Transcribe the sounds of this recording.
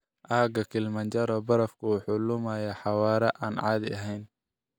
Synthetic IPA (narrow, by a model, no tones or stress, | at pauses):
ʔaːɡɐkʰɪlmɐɲt͡ʃɐɾɔbɐɾɐfkʰʊħʊlʊmajaħɑwɑːɾɛʔaːnʕɑ̰ːd̪ɐ̰ɦɛjn